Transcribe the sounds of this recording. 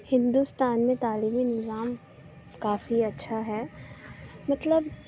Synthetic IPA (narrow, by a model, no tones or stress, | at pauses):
hɪ̃nd̪ust̪aːnmẽt̪aːliːminɪzaːm | kaːfiɐtːʃʰaɦɛː | mɐt̪ləb